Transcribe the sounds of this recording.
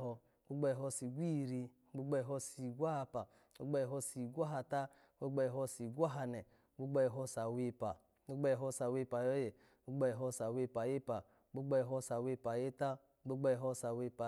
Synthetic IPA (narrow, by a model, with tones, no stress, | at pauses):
ɔ˧ | o˦ɡ͡ba˧jɦɔ˧si˨ɡʷi˦˨ɾi˧˦ɡ͡bo˦ɡ͡ba˦˨ɦɔ˧si˨ɡʷa˦ha˧pa˨ | o˦ɡ͡ba˧˦˨ɦɔ˧si˨ɡʷa˦ɦa˧ta˦ | ɡ͡bo˦ɡ͡ba˧jɦɔ˧si˨ɡʷa˦ɦa˧nɛ˨˦ɡ͡bo˦ɡ͡ba˧jɦɔ˧sa˨we˧pa˨˦ | o˦ɡ͡ba˧˦˧ɦɔ˧sa˨we˧˨pa˨jɔ˦je˨ | o˦ɡ͡ba˧˦˨ɦɔ˧sa˨we˧pa˨je˦pa˨˦ɡ͡bo˦ɡ͡ba˧˨ɦɔ˧sa˨we˧pa˨je˦ta˦ | ɡ͡bo˦ɡ͡ba˧jɦɔ˧sa˨we˧˦pa˨